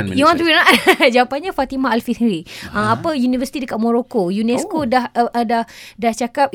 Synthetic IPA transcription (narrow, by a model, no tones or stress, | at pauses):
iwant̪uinaʔd͡ʒawapanɲãfat̪imãalfinɾiaapəjunivəsi̥t̪idəkat̪̚moɾokojunɛskodahʔdahdaht͡ʃakap̚